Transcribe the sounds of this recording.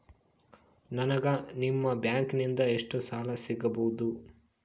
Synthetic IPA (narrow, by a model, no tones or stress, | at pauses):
nɐnɐɡɐnimːɐbjaːŋknind̪ɐeʂʈusaːlɐsiɡɐbɐwud̪u